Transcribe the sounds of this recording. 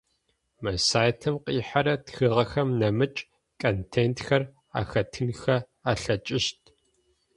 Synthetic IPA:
mɐsaːjtʰɨmqʼiːħaɾɐtxɨʁɐxɐmnɐmɨt͡ʃʼ | kʰʼɐntʰeːntʰxɐr | a̰ːxɐtʰɨnxɐ | aːɬɐt͡ʃʼɪʃtʰ

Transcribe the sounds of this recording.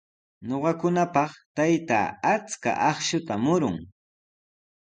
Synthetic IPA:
ɲoɢɑkʊnapɑχt̪ajt̪a̰ːat͡ska̰ʔɑχʃʊt̪amʊɾʊŋ

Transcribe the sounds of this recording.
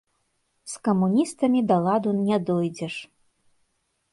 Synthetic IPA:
skɐmunʲist̪ɐmʲid̪ɐlˠad̪unʲɛd̪ɔjd͡zʲɛʂ

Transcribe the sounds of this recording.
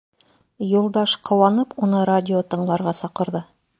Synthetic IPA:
jolˠd̪ɑʃqʰɤ̆wɑnɤpwonɤɾadʲɪot̪ɤ̆ɴlˠɑɾʁɑsɑqɤ̆ɾd̪ɤ

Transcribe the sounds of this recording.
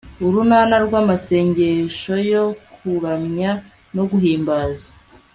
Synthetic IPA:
uɾunaːnaɾɡwaːmase̞ːɲɟe̞ʃo̞jo̞kʰuɾamɲa | no̞ɡuɦiːmbaːzḁ

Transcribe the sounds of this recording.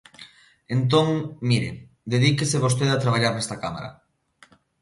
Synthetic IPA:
ent̪̬oŋmiɾe | d̪eðikeseβ̞ost̪eðat̪ɾaβ̞aʎaɾnɛst̪akama̰ɾɐ̰

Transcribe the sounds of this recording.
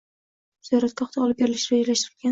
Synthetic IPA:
z̥jɒɾat̪̚kʲɒχt̪ʰaɒlɪp̚beɾɪlɪʃɾed͡ʒalaʃt̪ɪɾɪlɡʲa

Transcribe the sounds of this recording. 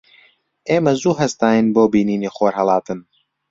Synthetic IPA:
ʔeːmɐzuːɦɐst̪aːjɨnboːbiːniːniːxoːɾɦɐlˠɑːt̪ɨn

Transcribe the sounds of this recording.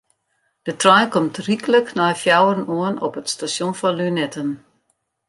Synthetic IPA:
d̥ətrɔjkɔmtrikələknɔjfjawərənuənɔpətstasjonfɔnlynɛtən

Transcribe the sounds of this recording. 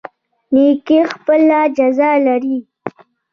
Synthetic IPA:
nekixpəlad͡ʒazɑlaɾi

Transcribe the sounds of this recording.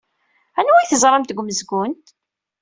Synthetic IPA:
ænwæjθəzˤɾˤɑmt̪əɡʷməzɡʊnt̪

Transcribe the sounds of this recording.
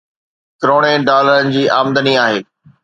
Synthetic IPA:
kɾoːɽ̃eɖaːləɾənɪ̆d͡ʑiːʔaːmd̪əniaːɦeː

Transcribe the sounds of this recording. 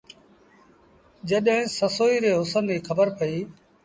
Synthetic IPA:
d͡ʒəɗɦɪ̃səsoːiːɾeːɦʊsənːiːxʰəbəɾpəiː

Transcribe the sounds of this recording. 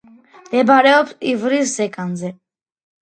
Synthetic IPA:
md̪̥ɛbaɾɛɔpsivɾiszɛkʼanzɛ

